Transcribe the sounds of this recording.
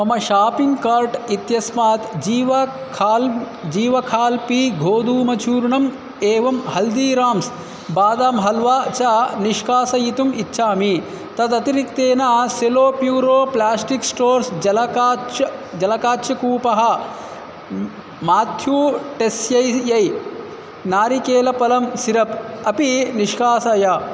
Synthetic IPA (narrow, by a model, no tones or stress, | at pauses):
mɐmɐʃaːpiŋɡkaːɾʈit̪jɐsmaːt̪d͡ʒiːʋɐ | kʰːl | d͡ʒiːʋɐkʰaːlpiɡʱoːd̪uːmɐt͡ʃʰuːɾuɳɐm | eːʋɐmhɐld̪iːɾaːms | baːd̪aːmɦɐlʋaːt͡ʃaːniʃkaːsɐjit̪umitːʃʰaːmi | t̪ɐt̪ɐt̪iɾikt̪eːnaːseloːpjuːɾoːplaːsʈiksʈoːɾsɐlɐːɐd͡ʒɐlɐkaːʃɐkuːpɐɦɐ | maːt̪ʰjuːʈesjɐjjɐj | naːɾikeːlɐpɐlɐmsiɾɐpɐpiniʂkaːsɐjaː